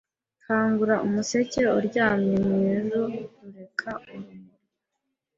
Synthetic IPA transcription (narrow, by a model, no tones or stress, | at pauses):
kʰaːŋɡuɾaʔumuse̞ce̞uɾɟaːmɲemɲezoɾe̞kʰaumuɾ